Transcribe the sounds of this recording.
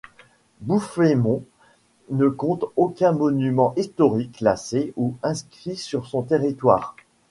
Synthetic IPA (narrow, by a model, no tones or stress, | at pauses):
bufemɔ̃ | nəkɔ̃t̪okʲɛ̃mɔnymɑ̃ʔist̪ɔʁiklaseuɛ̃skχisyʁsɔ̃t̪eʁit̪wa̰ːʁ